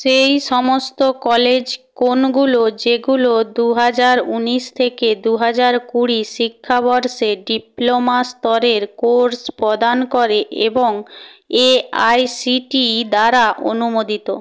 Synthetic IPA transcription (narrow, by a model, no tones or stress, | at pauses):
ʃejʃɔmost̪okɔled͡ʑkonɡulod͡ʑeɡulod̪uɦad͡ʑaɾuniʃt̪ʰeked̪uɦad͡ʑaɾkuɽiʃikʰːabɔɾʃeɖiplomast̪ɔɾeɾkoɾspɾod̪ankoɾeʔḛboŋeajsiʈid̪aɾaʔo̰numod̪it̪o